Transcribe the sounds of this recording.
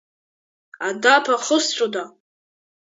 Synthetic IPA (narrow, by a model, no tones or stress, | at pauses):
adapʰaχəst͡ɕʷʼoda